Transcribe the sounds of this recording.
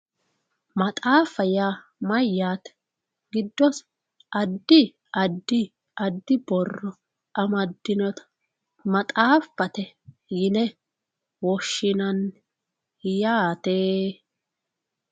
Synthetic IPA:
mɐt̪ʼaːfɐjaː | mɐjːaːt̪ɛ̥ | ɡɪd̪ːɔs | ɐd̪ːɪ | ʔɐd̪ːɪ | ʔɐd̪ːɪbɔrːɔ | ʔɐmɐd̪ːɪnɔt̪ɐ̥ | mɐt̪ʼaːfɐt̪ɛ | jɪnɛ | wɔʃːɪnɐn | jaːt̪eː

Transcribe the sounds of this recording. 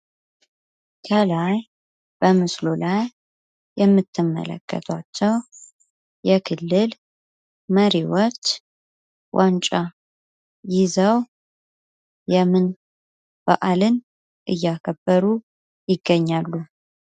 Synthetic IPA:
kʰəlaj | b̥əmɨslo̞lajː | ɛmːɨt̪ʰːɨmːə̰lə̰kːə̰t̪ʰwat͡ʃːɛw | jɛkʰɨlːɨl | məɾiwɔt͡ʃː | wʔant͡ʃʼa | jɪzəw | jɛmɨn | b̥a̰ʔalɨn | ʔɨjːakʰəbːəɾu | jɪɡːəɲːalːu

